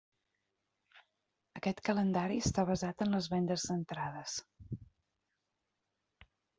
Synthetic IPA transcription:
əkɛt̪kələnd̪aɾiəst̪aβ̞əzat̪ənləzβɛnd̪əzːənt̪ɾaðəs

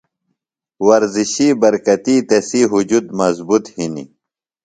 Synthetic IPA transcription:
wɐɾziɕibɐɾkɐt̪iːt̪ɐsiːɦud͡ʑud̪mɐzbut̪hinḭ

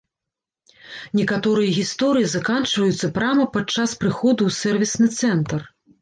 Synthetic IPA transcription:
nʲɛkat̪ɔɾɨjɐɣʲist̪ɔɾɨjizɐkant͡ʂvɐjut̪sːɐpɾamɐpat͡ʂːaspɾɨxɔd̪uːsɛrvʲisnɨt̪sɛnt̪ɐr

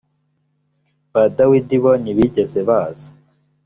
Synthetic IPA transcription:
badawidiβoniβiɟezeβaːzḁ

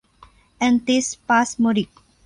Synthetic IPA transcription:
ɛ̃nt̪ispasmuɾik̚

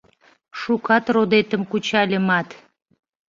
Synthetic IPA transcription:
ʃukɑt̪rod̪et̪əmkut͡ɕɑlʲəmɑt̪

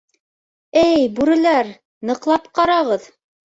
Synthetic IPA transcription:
ɘjbʉɾɘ̆læɾ | nɤ̆qlˠɑpqɑɾɑʁɤð

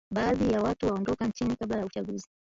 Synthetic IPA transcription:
ɓaːðijawatuwaɔndɔkant͡ʃinikablajaut͡ʃaɠuzi

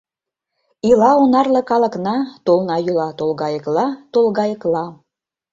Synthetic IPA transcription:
ilɑonɑrlɤ̆kɑlɤ̆knɑt̪olnɑjylɑt̪olɣɑjə̆klɑt̪olɣɑjə̆klɑ

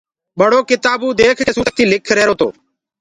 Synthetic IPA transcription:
ɓəɽoːkɪt̪aːbuːd̪eːkʰeːsuːt̪iːlɪkʰɾɛːɾoːt̪o̰ː

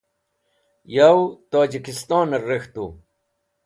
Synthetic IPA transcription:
jawt̪oːd͡ʑikist̪ɑːnɐrext̪uː

